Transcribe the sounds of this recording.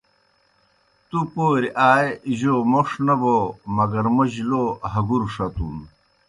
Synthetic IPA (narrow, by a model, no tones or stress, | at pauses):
t̪upoːɾiʔaːjʑomoʂnɐbomɐɡɐɾmoʑiloːɦɐɡuɾʂɐt̪un